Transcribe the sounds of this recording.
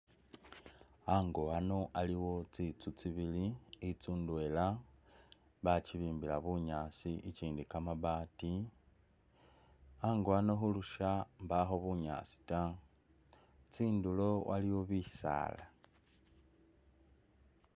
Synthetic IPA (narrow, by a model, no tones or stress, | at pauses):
aŋɡoano̞ʔaliwo̞t͡sit͡sut͡siβiliit͡suːndwe̞la | βat͡ʃiβiːmbilaβuɲaːt͡siʔit͡ʃiːndikamaβaːti | aŋɡoano̞xuluʃambaxo̞βuɲa̰t͡si̥ta | t͡siːndulo̞wʔa̰liwo̞βisa̰ːla